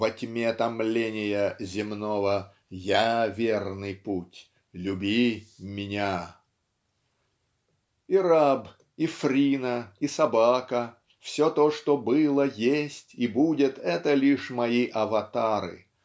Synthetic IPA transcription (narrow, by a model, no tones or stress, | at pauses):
vɐtʲmʲet̪ɐmlʲenʲɪjəzʲɪmno̞və | javʲernɨjputʲ | lʲʉbʲimʲɪnʲa | iɾab | ifɾʲinəisɐbakə | fsʲot̪oʂt̪obɨlˠəjesʲtʲibudʲɪt̪ɛt̪əlʲiʂmɐiʔɐvɐt̪aɾɨ̰